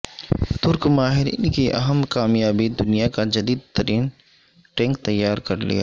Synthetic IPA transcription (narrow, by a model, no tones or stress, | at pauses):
t̪ʊɾkmaːɦɪɾḭːnkiʔɐ̰ɦəmkaːmjaːbid̪ʊnijakad͡ʒɐd̪iːd̪̚t̪ɐɾiːn | ʈẽːŋkt̪ɐjːaːɾkɐɾlḭja̰ː